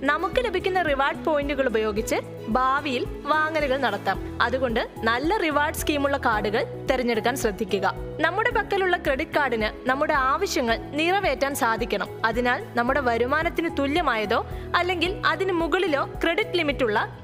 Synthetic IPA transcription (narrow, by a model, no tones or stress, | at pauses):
nɐmukːɨle̞bʱikʲːunːɐriʋaːrɖ̚po̞ːjinduɣɐɭubɐjo̞ːɡit͡ɕːɨ | bʱaːʋijil | ʋaːŋɐlɐɣɐɭnɐɽɐt̪ːaːm | ɐ̰ðuɣo̞ɳɖɨnɐlːɐriʋaːrɖskiːmuɭːɐkaːɽuɣɐɭt̪eɾiɲːeɽukːaːnɕrɐd̪ʱːikʲːuɣɐnɐmːuɽe̞pɐkːɐluɭːɐkre̞ɽitːkaːrɽinɨnɐmːuɽe̞aːʋɐɕjɐŋːɐɭniːrɐʋe̞ːtːaːnsaːd̪ʱikʲːɐɳɐmɐðinaːlnɐmːuɽe̞ʋɐɾumaːnɐt̪ːinɨt̪ulːjɐmaːjɐðo̞ːɐlːe̞ŋɡilɐðinɨmuɣɐɭilo̞ːkre̞ɽitːɨlimitːuɭːɐ